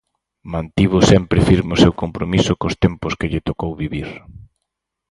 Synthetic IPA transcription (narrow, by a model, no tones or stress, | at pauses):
mãnt̪iβʊsɛmpɾɪfiɾmeʊsewkompɾomisʊkost̪empʊskɪʎɪt̪okowβiβiɾ